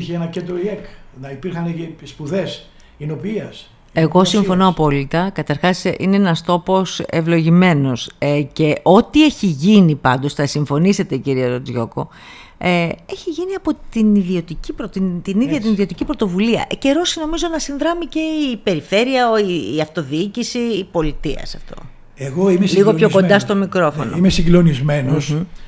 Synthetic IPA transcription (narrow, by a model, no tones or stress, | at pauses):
çeenɐcet̪d̪ɾoieknɐipiɾxɐneespuðes | inopiiɐs | e̞ɣo̞siɱfo̞no̞ɐpo̞lit̪ɐkɐt̪ɐɾxɐsḭneenɐst̪o̞po̞se̞vlo̞ʝime̞no̞sce̞ʔo̞t̪ie̞çiʝinipɐ̰nd̪o̞sθɐsiɱfo̞nise̞t̪e̞ciɾieɾod͡zʝo̞̰ko̞̰ | eeçiʝiniɐpo̞t̪iniðio̞t̪icipɾot̪it̪iniððʝɐt̪iniðiot̪icipɾot̪o̞vuliɐ̰ʔce̞ɾo̞sino̞mizo̞nɐsinðɾɐmice̞ipe̞ɾife̞ɾiɐoiːɐft̪o̞ðiicisiːpo̞lit̪iɐ̰sɐft̪o̞̰ | eɣoimeliɣoçoko̞nd̪ɐst̪o̞mikɾo̞fo̞̰noimesiɡlonizmenos